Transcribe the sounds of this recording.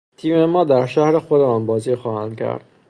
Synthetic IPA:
t̪ʰiːmemɒːd̪æɾʃæhɾexod̪eɒːnbɒːzixɒːhænd̪̚cʰæ̰ɾd̪̥

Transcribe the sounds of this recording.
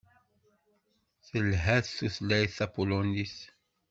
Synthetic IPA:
θəlɦæθθuθlæjθæpuloniθ

